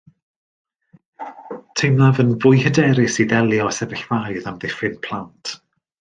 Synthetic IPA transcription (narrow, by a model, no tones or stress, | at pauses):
tʰejmnavənvʊjhədɛɾɪsiðɛlˠjɔsɛvɪɬvajðamðɪfɪnpʰl̥ˠantʰ